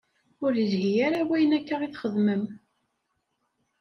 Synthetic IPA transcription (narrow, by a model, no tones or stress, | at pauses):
ʊɾjəzɦijaɾawæjənækːaʁiθχəðməm